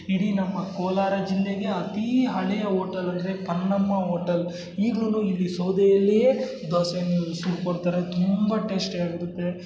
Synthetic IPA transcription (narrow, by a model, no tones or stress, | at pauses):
iɽinɐmːɐkoːlaːɾɐd͡ʒilːeɡe̞ɐt̪iɦɐɭɛjɐɦoːʈɐlɐnd̪ɾepɐnːɐmːɐɦoːʈɐl | iːɡlunuilːisowd̪ɛjɐlːije | d̪ɔsensuɾukoɽt̪aːɾet̪umbɐʈe̞ːsʈaːɡiɾut̪ːe̞